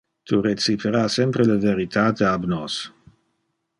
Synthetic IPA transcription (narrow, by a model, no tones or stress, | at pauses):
t̪ʰuɾet͡sipʰeɾasɛmpɾeləveɾit̪ʰaːt̪eabnos